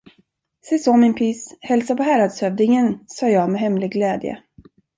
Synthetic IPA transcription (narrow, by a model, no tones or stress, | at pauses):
sɛsoːmɪnpʰʏshɛlsapɔɦæɾad̪shœvd̪ɪŋənsɑːjɑːɡmɛɦɛmlɪɡɡlɛːd̪jə̰